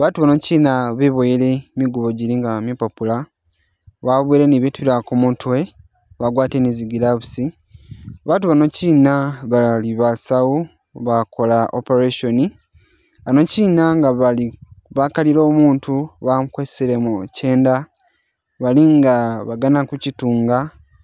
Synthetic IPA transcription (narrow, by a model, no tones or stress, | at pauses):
βatuβano̞cinaβeβoiɾe̞miɡuβo̞ɟiɾiŋɡamepapula | βaβweːɾeniβetuilakumutʰwe̞ | βaɡwaːteneziɡilaβusi | βatuβano̞ciːnaβaliβasawu | βako̞laʔo̰peɾeʃoni | ano̞ciːnaŋɡaaiβakaliɾo̞ːmuːntuβamukweseɾemuceːnda | βaliŋɡaβaɡanakucituːŋɡa